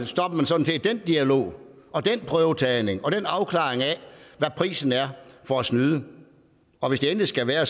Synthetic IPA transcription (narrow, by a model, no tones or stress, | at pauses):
sd̥ɒ̽b̥ɐmænsɒ̽d̥n̩se̝ːd̥̚d̥end̥iælo̝̰ː | ɒ̽d̥enpʰʁœʊt͡sʰɛːne̝ŋɒ̽d̥enɑ̈ʊkʰlɑ̰̈ːeŋæʋæpʰʁḭːsn̩æɐfɒæsnyːðˠə | ɒ̽ʋe̝sd̥e̝en̥ð̩isɡ̥æʋæːɐ